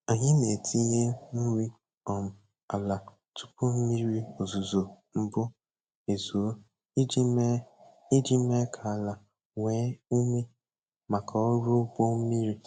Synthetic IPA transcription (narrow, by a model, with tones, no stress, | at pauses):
a˨ɲɪ˦ne˨tʰi˦ɲe˦n̩˦ɾi˦ | ɔ˨m̩˨ | a˨la˨ | tʊ̥˦pʊ˦m̩˦mi˦ɾi˦o˨zu˨zo˨ | m̩˦bʊ˦ | e˨zu˨o˦ | d͡ʒ | i˦d͡ʒi˦me˦kʰa˨la˨ | ŋʷe˦u˦me˦ | ma˨ka˨o˦ɾʊ˦bo˦m̩˦mi˦ɾi˦